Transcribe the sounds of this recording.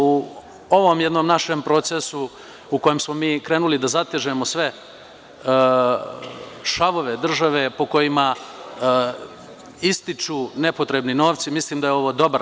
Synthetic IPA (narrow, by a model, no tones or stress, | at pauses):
u | o̞ʋo̞mjed̪noːmnaʃempɾo̞t̪sesu | uko̞jemsmo̞miːkɾeːnulid̪azat̪eʒemo̞sʋe̞ | ʃaʋo̞ʋed̪r̩ʒaʋe̞po̞ko̞jima | ist̪it͡ʃune̞po̞t̪ɾe̞bnino̞ːʋt̪simisliːmd̪ajeo̞ʋo̞ːd̪o̞baɾ